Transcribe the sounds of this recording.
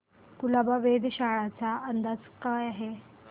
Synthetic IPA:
kulabaʋed̪ʱɕaɭat͡saənd̪at͡skajaɦe

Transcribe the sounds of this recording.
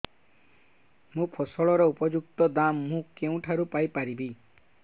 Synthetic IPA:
mũpʰosɔɭɔɾɔupɔd͡ʒuk̚t̪ɔd̪amːũkeũʈʰaɾupajpaɾibi

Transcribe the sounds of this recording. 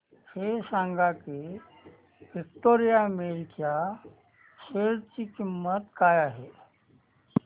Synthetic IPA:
hesãŋɡake | ʋikʈoɾijameɾkja | seɾt͡ɕikimːət̪kajaɦe

